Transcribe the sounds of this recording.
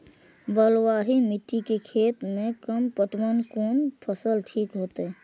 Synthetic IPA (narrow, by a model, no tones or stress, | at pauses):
bəlwaːɦimɪʈːikekʰeːt̪mẽkəmpəʈmənkoːnpʰəsəlʈʰiːkɦoːt̪ː